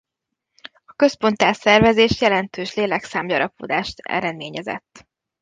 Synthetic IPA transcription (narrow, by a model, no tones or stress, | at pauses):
ɒkø̞spo̞nt̪aːsɛrvɛzeːʃjɛlɛnt̪øːʃleːlɛksaːmjɒɾɒpod̪aːʃt̪ɛ̰ɾɛd̪meːɲɛzɛ̰t̪ː